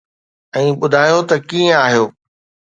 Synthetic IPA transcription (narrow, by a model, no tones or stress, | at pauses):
ɛ̃ːɓʊd̪ʱaːjot̪ɐkiə̃aːɦijoː